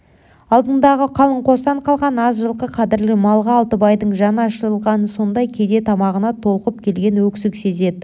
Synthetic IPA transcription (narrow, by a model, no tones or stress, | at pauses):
ɑlˠd̪ənd̪ɑʁəqʰɑlˠəɴqʰo̞sɑɴqʰɑlˠʁɑnɑzʒəlˠqəqʰɑd̪ɪɾlɪmɑlˠʁɑːlˠt̪əbɑjd̪əɴʒɑnɑʃəɾəlˠʁɑnəso̞nd̪ɑjkʲʰe̞d̪e̞t̪ʰɑmɑʁənɑt̪ʰo̞lˠqəp̚kʲʰe̞lɡʲe̞nwɵksɪkse̞ze̞d̪ɪ